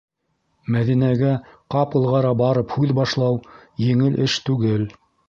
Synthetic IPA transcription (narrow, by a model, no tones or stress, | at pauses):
mæðinæɡæqɑpɤ̆lˠʁɑɾɑbɑɾɤphʉðbɑʃlˠɑwjɘ̆ŋɘlʔɘʃt̪ʉɡɘl